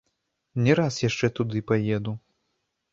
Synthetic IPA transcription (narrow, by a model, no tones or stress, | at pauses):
nʲɛɾasjaʂt͡ʂɛt̪ud̪ɨpajɛd̪u